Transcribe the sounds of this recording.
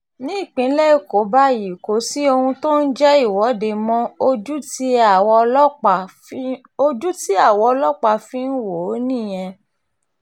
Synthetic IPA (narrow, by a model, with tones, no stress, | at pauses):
nĩ˦i˦˨k͡pĩ˨˦lɛ˦i˨ko˨˦ba˦ji˨ko˨˦si˦o˧hũ˧to˦n̩˦d͡ʒɛ˦i˦˨wɔ˨˦de˧mɔ̃˦o˧d͡ʒu˦ti˦a˦˨wɔ˧ɔ˦k͡p | o˧d͡ʒu˦ti˦a˦˨wɔ˧lɔ˦k͡pa˦˨fĩ˦n̩˦wo˨˦nĩ˦˨j̃ɛ̃˧